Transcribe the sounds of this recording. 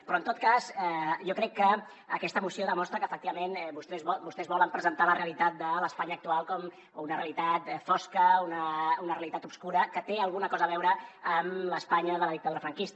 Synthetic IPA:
pɾɔənt̪ot̪̚kazɛʒɔkɾɛkːə | əkɛst̪əmusioðəmɔst̪ɾəkəːfək̚t̪iβəmenbust̪ɛzɔbust̪ɛzβɔləmpɾəzənt̪aləreəlit̪at̪̚d̪ələspaɲəːk̚t̪ualˠkɔm | unərḛəlit̪at̪fɔskəunəunəreəlit̪at̪upskuɾəkət̪eəlˠɣunəkɔzəːβɛwɾəːmləspaɲəðələðik̚t̪əðuɾəfɾəŋkist̪

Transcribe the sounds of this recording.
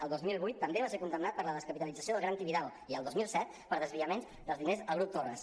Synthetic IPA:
əlˠd̪ozmilˠβujt̪ːəmbeβaseɾkund̪əmnat̪̚pəɾləðəskəpit̪əlid͡zəsioðəlˠɣɾant̪iβiðalˠ | iəlˠd̪ozmilˠsɛt̪̚ | pəɾðəzβiəmenzðəlˠzðinezəlˠɣɾup̚t̪orəs

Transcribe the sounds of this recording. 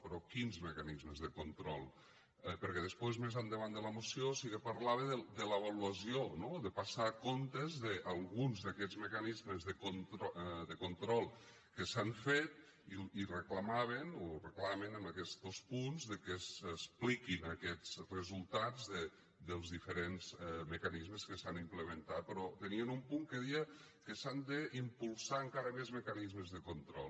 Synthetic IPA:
pɾɔkinzməkanizməzðəkont̪ɾɔlˠ | ɛpəɾkɛðəspwezmezand̪əβand̪ələmosiosikəpaɾlaβəðəd̪ələβ̞aluəsionoðəpasaːkont̪ezðəʔalˠɣunzðəkɛzməkanizməzðəkont̪ɾðəkont̪ɾɔlˠ | kəsaɱfet̪̚ | ilirəklamaβ̞enorəklamenəmbəkɛsospunzðəkəssplikinəkɛt͡srəzulˠt̪ad͡zðə | d̪əlˠzðifəɾenzməkanizməskəsanimpləmənt̪at̪̚pɾɔt̪əniənumpuŋkəðiə | kəsand̪əimpulˠsaəŋkaɾəmezməkanizməzðəkont̪ɾɔ̰lˠ

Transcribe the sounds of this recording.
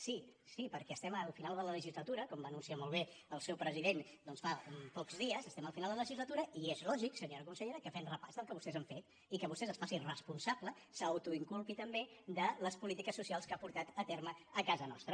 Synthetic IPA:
sisipəɾkɛəst̪ɛməlˠfinalˠd̪ələləʒizlət̪uɾəkɔmbanunsiamolˠβeəlˠsɛwpɾəziðend̪ɔnsfampɔkzðiəzəst̪ɛməlˠfinalˠd̪ələʒizlət̪uɾəʔiezlɔʒiksəɲoɾəkunsəʎeɾəkəfɛnrəpazðəlˠkəβust̪ɛzəɱfet̪ | ikəβust̪ɛzəsfasirəspunsablə | saəwt̪uiŋkulˠpit̪əmbed̪ələspulit̪ikəsːusialˠskapuɾt̪at̪ət̪erməːkazənɔ̰st̪ɾə

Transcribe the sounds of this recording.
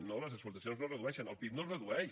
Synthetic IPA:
noləzəkspuɾt̪ɐsjõnznorəðuɛʃənəlˠpip̚norəðuɛ

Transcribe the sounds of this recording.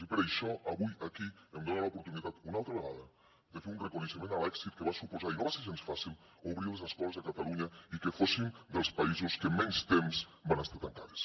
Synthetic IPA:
ipeɾajʃɔʔaβujakiemd̪onalaupuɾt̪unit̪at̪unalˠt̪ɾaβeɣaðɐ | d̪efeɾunrekuneʃemẽnalɛksit̪̚keβasupozaɾinoβaseʃensfasil | oβɾiɾlezeskɔlezðakat̪aluɲaikefosind̪elˠspaizoskemɛnst̪emsbanast̪aɾt̪aŋkaðes

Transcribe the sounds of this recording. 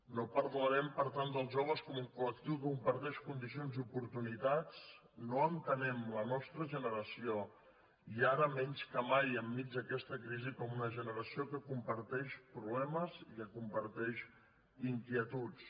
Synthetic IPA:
nopəɾðuəɾɛmpəɾt̪and̪əlˠzʒoβ̞əskɔmuŋkulək̚t̪iwkəkumpəɾt̪ɛʃkund̪isionziupuɾt̪unit̪at͡s | noənt̪ənɛmlənɔst̪ɾəʒənəɾəsio | iaɾəmɛnʲskəmajəmːid͡ʒd̪əkɛst̪əkɾizikɔmunəʒənəɾəsiokəkumpəɾt̪ɛʃpɾuβlɛməzikəkumpəɾt̪ɛʃ | iŋkiət̪ut͡s

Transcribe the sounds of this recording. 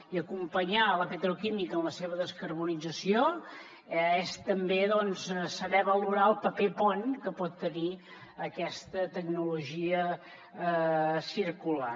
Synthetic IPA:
iəkumpəɲaləpət̪ɾukimikənləseβ̞əðəskəɾβunid͡zəsio | est̪əmbeðɔnzsəβɛβəluɾaəlˠpəpepɔnkəpɔt̪ːəni | əkɛst̪ət̪ək̚nuluʒiə | siɾkula̰

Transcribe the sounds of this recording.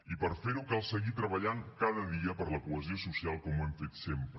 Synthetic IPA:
ipəɾfeɾukalˠsəɣit̪ɾəβəʎaŋkaðəðiəpəɾləkuəziosusialˠkɔmwɛmfet̪sempɾ

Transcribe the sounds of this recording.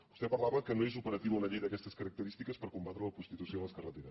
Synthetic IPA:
bust̪ɛpəɾlaβəkənoezupəɾət̪iwuələʎejðəkɛst̪əskəɾək̚t̪əɾist̪ikəspəɾkumbat̪ɾələpust̪it̪usioləskərət̪eɾə

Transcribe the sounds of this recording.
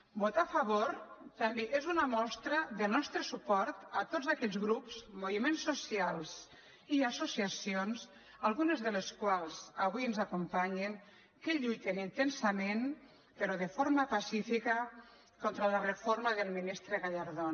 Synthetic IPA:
bot̪afaβoɾt̪ameʔezunamɔst̪ɾəðelnɔst̪ɾəsupɔɾt̪at̪ozakɛʎzɣɾupz̥moβimensːosialˠz | iasosiasionz | alˠɣunezðəleskwalˠzaβwiənzakumpaɲeŋ | keʎujt̪enint̪ensamen | peɾoðefoɾmapasifikə | kɔnt̪ɾalarefoɾmaðelˠminist̪ɾeɣaʎaɾðo

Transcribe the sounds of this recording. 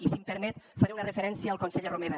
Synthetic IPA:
isimpəɾmɛt̪faɾeunarefeɾɛnsjaaːlˠkonseʎaromeða

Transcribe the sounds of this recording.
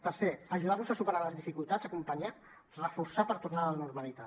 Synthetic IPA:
t̪əɾseəʒuðarnuzəsupəɾaləzðifikulˠt̪azəkumpəɲa | rəfuɾsapəɾt̪uɾnalənuɾməlit̪a

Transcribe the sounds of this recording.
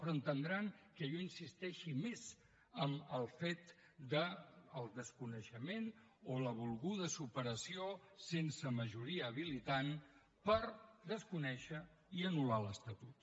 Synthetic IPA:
ɾənt̪ənd̪ɾaŋkəʎɔinsist̪ɛʃimez | əməlˠfet̪ | d̪əːlˠd̪əskunəʃəmen | oləβ̞ulˠɣuð̞əsupəɾəsiosensəməʒuɾiəːβ̞ilit̪an | pəɾd̪əskunɛʃə | iənulaləst̪ət̪ut̪

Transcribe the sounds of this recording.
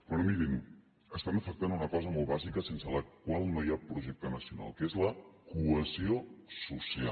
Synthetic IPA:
pɾɔmiɾin | əst̪anəfək̚t̪anunəkɔzəmolˠβazikəsensələkwalˠnojapɾuʒɛk̚t̪ənəsiuna̰lˠkezləkuəziosusia

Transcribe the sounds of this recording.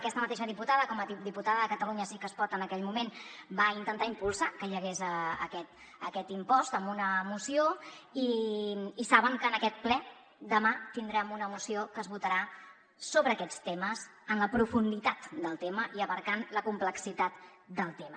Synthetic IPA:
əkɛst̪əmət̪eʃəðiput̪aðəkɔməd̪iput̪aðəðəkət̪əluɲəsikəspɔt̪ənəkɛʎmumenbaint̪ənt̪aimpulˠsakəʎəɣezəə̰kɛt̪ | əkɛt̪impɔst̪əmbunəmusioiː | saβəŋkəːnəkɛt̪̚plɛ | d̪əmat̪ind̪ɾɛmunəmusiokəzβut̪əɾa | soβɾəːkɛt͡st̪eməz | ənləpɾufund̪it̪at̪d̪əlˠt̪eməʔiəβəɾkanləkumpləksit̪at̪ | d̪əlˠt̪emə

